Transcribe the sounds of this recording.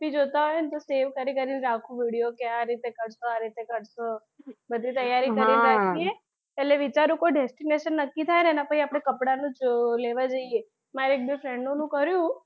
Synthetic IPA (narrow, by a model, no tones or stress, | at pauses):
bid͡ʒot̪aɦojnt̪oseʋkəɾikəɾinɾakʰũʋiɽijokeaɾit̪ekəɽsoaɾit̪ekəɽso | bəd̪ʱit̪əjːaɾikəɾiɾakie | eleʋit͡ʃaɾũkojɖesʈineʃənːəkːit̪ʰajneɛnapəiapɽ̃ekəpɽanũd͡ʒleʋad͡ʒəie | maɾek̚bifɾɛɳɖonũkəɾjũ